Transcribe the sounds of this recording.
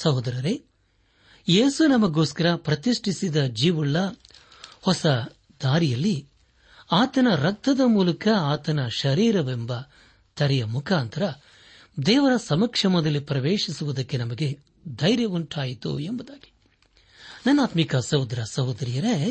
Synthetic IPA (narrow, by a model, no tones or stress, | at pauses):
sɐɦud̪ɐɾɐɾe | jeːsunɐmɐɡo̞ːskɐɾɐpɾɐt̪iʂʈʰisid̪ɐd͡ʒiːʋuɭːɐ | hɔsɐ | d̪aːɾijɐlːi | aːt̪ɐnɐɾɐk̚t̪ɐd̪ɐmuːlɐkɐaːt̪ɐnɐʃɐɾiːɾɐʋembɐ | t̪ʰɐɾɛjɐmukʰaːnt̪ʰɐɾɐ | d̪ɛːʋɐɾɐsɐmɐkʂɐmɔd̪ɐlːipɾɐʋeːʂisuʋud̪ɐkːe̞nɐmɐɡe̞ | d̪ɐjɾjɐʋuɳʈʰaːjit̪ṵembud̪aːɡi̥ | nɐnːaːt̪mikɐsɐɦud̪ɾɐsɐɦud̪ɐɾijɐɾe